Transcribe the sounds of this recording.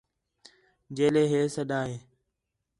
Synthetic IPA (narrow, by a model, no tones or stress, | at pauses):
d͡ʒeːleːɦeːsəɗaːɦeː